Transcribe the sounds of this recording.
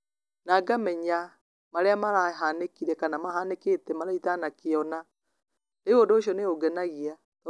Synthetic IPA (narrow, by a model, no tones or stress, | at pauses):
naɡamɛɲa | maɾeamaɾaɦanekiɾɛkanamahaneketɛmaɾaitanakeɔna | neɣondoːʃiɔneoɡɛnaɣia | t